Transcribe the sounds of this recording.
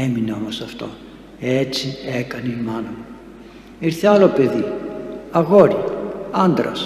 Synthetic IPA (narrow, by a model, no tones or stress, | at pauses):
emineo̞mosɐft̪o̞̰ | et͡siekɐneimɐnɐmu | iɾθeɐlo̞pe̞ðiɐɣoɾiɐnd̪ɾɐ̰s